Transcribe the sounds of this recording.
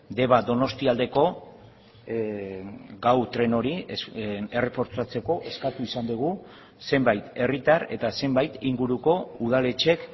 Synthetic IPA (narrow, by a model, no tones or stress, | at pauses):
d̪e̞βad̪o̞no̞st̪iald̪e̞ko̞ | ɡawt̪ɾe̞no̞ɾi | ere̞po̞ɾt͡ʃat͡se̞ko̞ʔe̞skat̪uisand̪uɣ̞u | se̞mbajt̪e̞rit̪aɾe̞t̪ase̞mbajt̪iŋɡuɾuko̞uðale̞t͡ʃe̞k